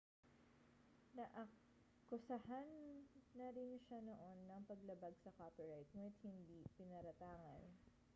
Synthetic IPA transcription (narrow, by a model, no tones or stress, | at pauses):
nɐʔɐ | kʊsɐhanːɐɾɪnʃanoʔo̞nːɐŋpɐɡlɐbaɡsɐkopiɹajt̪̚muːnɪt̪̚hɪnd̪iːpɪnɐɾɐt̪aːŋɐ̰n